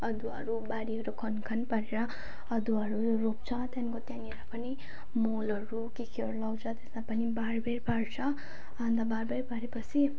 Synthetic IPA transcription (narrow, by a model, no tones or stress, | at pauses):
ʌd̪uʌ̰ɾubaɾiɦʌɾukʰʌnkʰʌnpaɾeɾʌ | ʌd̪uʌɾu | rop̚t͡sʰʌt̪jankot̪janieɾapʌni | molʌɾukekʰiʌɾulʌwt͡sʰʌt̪esmapʌnibarberpaɽt͡sʰʌ | and̪abarbeɾpaɾepʌt͡sʰi